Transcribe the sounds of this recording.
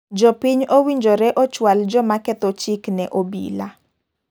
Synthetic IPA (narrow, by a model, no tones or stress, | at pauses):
d͡ʒɔpiɲowiɲd͡ʒɔɾɛʔɔt͡ʃwald͡ʒɔmakɛt̪ɔt͡ʃiknɛʔobḭla